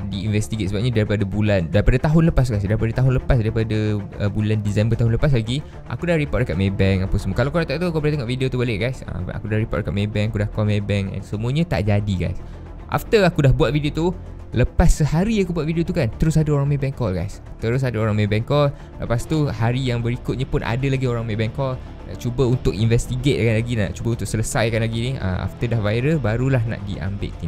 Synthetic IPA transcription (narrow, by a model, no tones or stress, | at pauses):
diinvɛst̪iɡet̪səbap̚ɲadaɾipadəbulandaɾipadat̪aɦʊnləpas̬ɡajs̬daɾipadət̪aɦʊnləpas̬daɾipadəə̰bulandisɛmbət̪aɦʊnləpas̬laɡi | ʔa̰kudahripɔt̚dəkat̪̚mebɛŋapəsəmuəkalakoɾaʔt̪aʔt̪ukubalat̪eŋɔʔvidiot̪ubalɪʔɡajsə̰a̰kudahɾipɔ̰t̚dəkat̪̚mebɛŋakudahkɔlmebɛŋɛ̰nsəmuəɲət̪a̰ʔd͡ʒadiɡa̰js | ʔa̰ft̪əakudahbuat̪vidiot̪u | ləpasːəhaɾiakubuat̪̚vidiot̪ukant̪əɾʊsadəoɾaŋmebɛŋkɔlɡa̰js | t̪əɾʊs̬adəoɾaŋmẽbɛŋkɔl | lə̰past̪uhaɾijaŋbəɾikʊt̪̚ɲəpʊnʔa̰dəlaɡioɾaŋmebɛŋkɔl | at͡ʃubəunt̪ʊk̚invɛst̪iɡet̪̚kanlaɡina̰ʔt͡ʃubəunt̪ʊk̚sələsajkanlaɡiniʔə̰ma̰ft̪ədahvajɾəbaɾulaɦna̰ʔdḭʔa̰mbɪ̰tʔt̪i